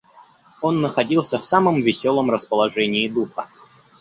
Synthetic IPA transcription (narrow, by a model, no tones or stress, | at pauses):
onːəxɐdʲilˠsʲəfsaməmvʲɪsʲolˠəmrəspəlˠɐʐɛnʲɪːd̪uxə̰